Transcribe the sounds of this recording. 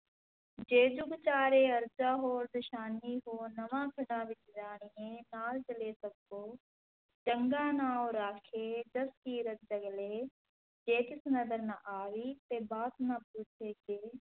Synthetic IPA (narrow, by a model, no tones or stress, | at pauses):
d͡ʒeːd͡ʒʊɡt͡ʃaːɾeːɐɾd͡ʒaːɦoːɾd̪ʊʃaːniːɦoːnɐʋãːkʰɪɽãːʋɪt͡ʃd͡ʒaːɽ̃iẽnaːlt͡ʃɐleːsɐbːoː | ʈə̃ŋɡãːnaːwɾaːkʰeːd̪ɐskiːɾət̪̚d͡ʒɐɡleː | d͡ʒeːk̪ɪsnɐd̪əɾnãʔaːʋiːt̪eːbaːt̪nãpuːt͡ʃʰeːkeː